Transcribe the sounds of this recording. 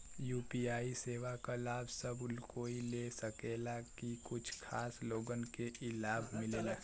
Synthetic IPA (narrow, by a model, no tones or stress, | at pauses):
juːpiaːiseːʋakalaːbsəbʊlkoːilesəkeːlakikʊt͡ʃʰkʰaːsloːɡənkeʔɪlaːbʱmɪleːla